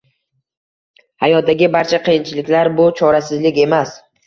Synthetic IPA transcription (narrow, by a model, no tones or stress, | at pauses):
hajɒt̪̚d̪aɡʲɪbaɾt͡ʃʰaqʰɨjɪnt͡ʃʰɪlɪkʲlaɾbʊt͡ʃʰɒɾasɪzlɪkʲe̞mas